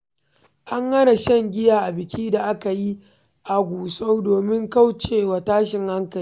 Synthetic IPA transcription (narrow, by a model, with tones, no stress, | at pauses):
ʔa˦ŋhɐ˦na˨ʃɛ˦ŋɡʲɪ˦jaː˨ʔa˨bɪ˨kʲiː˦da˨ʔa˦ka˨ji˦ | ʔa˨ɡʷuː˨so˦wdoː˨mɪ˦ŋka˦wt͡ʃeː˦˨wa˨taː˦ʃɪ˨ŋha˦ŋkɐ˨liː˦